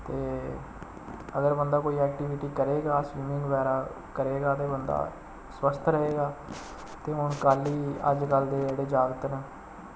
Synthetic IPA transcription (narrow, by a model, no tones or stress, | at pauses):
t̪eː | əɡəɾbənd̪aːkoːiːɛːk̚ʈiːʋɪʈiːkəɾeːɡaːswiːmɪ̃ŋɡʋɛːɾaː | kəɾeːɡaːt̪eːbənd̪a̰ː | spəst̪ʰɾəɦeːɡaː | t̪eːɦʊɳkaːliːə̰d͡ʒkəld̪eːeːɽeːd͡ʒaːɡət̪nəː